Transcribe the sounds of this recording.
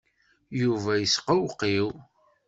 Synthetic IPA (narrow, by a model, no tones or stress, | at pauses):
juvæjəsqəwqːiw